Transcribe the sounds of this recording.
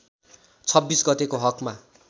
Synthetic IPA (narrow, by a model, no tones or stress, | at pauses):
t͡sʰʌbːisɡʌt̪ekoɦʌkma